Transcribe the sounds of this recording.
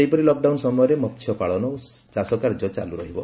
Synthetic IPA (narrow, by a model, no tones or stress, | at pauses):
ejpɔɾilɔk̚ɖawnsɔmɔjɔɾemɔt̪ʰːjɔpaɭɔnɔw | t͡ʃasɔkaɾd͡ʒɔt͡ʃa̰luɾɔɦibɔ